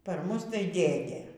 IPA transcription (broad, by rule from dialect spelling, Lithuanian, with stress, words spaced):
pɐr ˈmʊs tɐɪ ˈdʲeːdʲeː